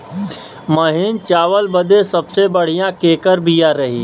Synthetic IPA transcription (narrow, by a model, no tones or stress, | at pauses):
məɦɪnt͡ʃaːʋəlbəd̪esɐbsebəɽ̤ijãkeːkəɾbʱijãɾɐɦḭː